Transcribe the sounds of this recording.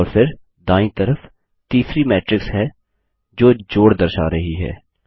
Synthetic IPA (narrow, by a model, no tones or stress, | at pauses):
ɔːɾpʰɪɾ | d̪aːĩt̪əɾəf | t̪iːsɾimɛːʈɾɪksɦɛː | d͡ʒoːd͡ʒoːɽd̪əɾʃa̰ːɾɐɦiɦɛ̰ː